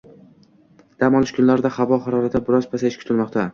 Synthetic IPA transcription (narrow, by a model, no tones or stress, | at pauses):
d̪̥amɒlˠɪʃkʲʰʊnlaɾɪd̪aχavɒχaɾɒɾat̪abɪɾɒzpʰasaʃkʲʰʊt̪ɪlmɒqt̪ʰa